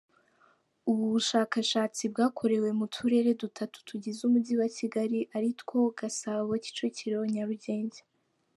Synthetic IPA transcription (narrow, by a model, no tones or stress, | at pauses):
uβuβuʃaːkaʃaːt͡sib̚ɡaːkʰo̞ɾe̞we̞mutʰuɾe̞ːɾe̞dutʰatu̥tʰuɟezumudiwaciɡaɾiʔaɾitko̞ɡ̥asaβaβoci̥t͡ʃociɾeoɲaɾuɟe̞ːɲɟe